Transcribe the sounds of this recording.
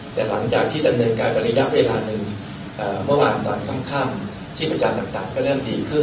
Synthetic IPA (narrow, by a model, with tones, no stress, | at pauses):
t̪ɛː˨˩la̰˩˦ŋt͡ɕaː˨˩k̚t̪ʰiː˥˩da˧mnɤː˧nkaː˧nka˨˩ɾa˦˥ja˦˥ʔweː˧laː˧nɯ˨˧ŋ | ʔaː˨˩mɯ˥˩əwaː˧nt̪ɔː˧nkʰɔ˥˩mkʰaː˥˩m | t̪ʰiː˥˩pɾa˧t͡ɕa˧mt̪aː˨˩ŋt̪aː˨˩ŋkɔː˥˩ɾɯ˥˩əmdiː˧kʰɯ˥˩